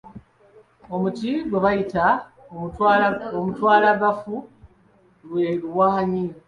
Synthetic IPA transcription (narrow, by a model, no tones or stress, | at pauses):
o̞mutiɡwe̞βajita | omutwaːlaβafu | weluwaɲiɾo